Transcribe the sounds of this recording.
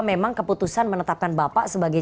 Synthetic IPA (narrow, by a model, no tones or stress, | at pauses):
memaŋkəput̪usanmənət̪ap̚kanbapaʔsəbaɡaj